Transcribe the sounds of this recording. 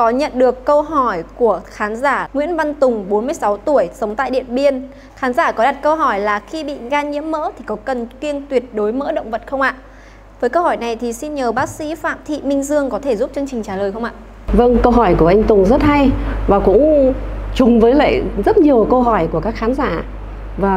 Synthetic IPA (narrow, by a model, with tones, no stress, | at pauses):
kɔ˨˦ɲə̰˧˨nɗɨ˨˩əkːə˧wɦɔ˧˩jku˧˩əxaː˨˦nzaː˧˩ŋwḭ˧˥ənva˧nt̪ʊ˨˩ŋ͡mɓo˨˦nmɨ˧əjsa˨˦wt̪u˧˩əjsə˨˦wŋ͡mt̪a̰ː˧˨jɗḭ˧˨ənɓi˧ən | xaː˨˦nzaː˧˩kɔ˨˦ɗa˨˩t̚kə˧wɦɔ˧˩jlaː˨˩xi˧ɓḭ˧˨ɣaː˧ɲḭ˧˥əmːə̰ː˧˥t̪ʰi˨˩kɔ˨˦kə˨˩nki˧ənt̪wi˨˩ət̚ɗo˨˦jmə̰ː˧˥ɗə̰˧˨wŋ͡mvə˨˩t̚xə˧wŋ͡mʔa̰ː˧˨ | vəː˨˦jkə˧whɔ˧˩jna˨˩jt̪ʰi˨˩si˧nɲəː˨˩ɓaː˦˥k̚sḭ˧˥fa̰ː˧˨mt̪ʰḭ˧˨mï˧ŋ̟zɨ˧əŋkɔ˨˦t̪ʰe˧˩zu˦˥p̚t͡ɕɨ˧əŋt͡ɕï˨˩ŋ̟t͡ɕaː˧˩ləː˨˩jxə˧ŋ͡mʔa̰ː˧˨ʔ | və˧ŋkə˧wɦɔ˧˩jku˧˩əʔa˧jŋ̟t̪ʊ˨˩ŋ͡mzə˦˥t̚ha˧jvaː˨˩kʊ̰˧˥ŋ͡mt͡ɕʊ˨˩ŋ͡mvəː˨˦jlḛ˧˨zə˦˥t̚ɲi˨˩əwkə˧wɦɔ˧˩jku˧˩əkaː˦˥kxaː˨˦nzaː˧˩ | vaː˨˩